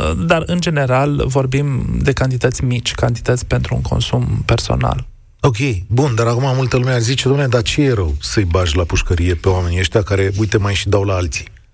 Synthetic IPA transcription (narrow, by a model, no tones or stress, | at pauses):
d̪arɨnd͡ʒe̞ne̞ɾalvo̞rbimd̪e̞kant̪it̪ət̪sʲmit͡ʃʲkant̪i̥t̪ət̪sʲpe̞nt̪ɾṵːŋkʰo̞̰nsumpe̞rso̞̰na̰l | o̞kʲe̞jbund̪aɾakumamult̪əlumeazit͡ʃed̪omnead̪at͡ʃejeɾəwsəjbaʒlapuʃkəɾije̞pe̞oame̞nieʃt̪ʲjakaɾe̞ujt̪e̞majʃid̪awlaalt̪si̥